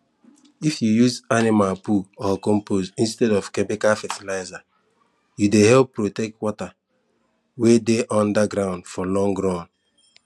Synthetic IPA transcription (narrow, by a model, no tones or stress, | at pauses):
ifjujuzanimalpuɔkɔ̃mpozĩnstɛdɔfkemikafɛtilaɪza | judehɛlpːɾotɛk̚twɔta | wedeʔɔ̃ndaɡɾãʊ̃ndfɔlɔ̃ŋɡɾãn